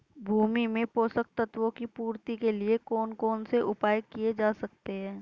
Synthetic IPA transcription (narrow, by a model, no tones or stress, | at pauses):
bʱuːmimẽpoːsək̚t̪ət̪ʋõkipuːɾt̪ikeliekɔːnkɔːnseʔʊpaːjkied͡ʒaːsɐk̚t̪eɦɛ̃ː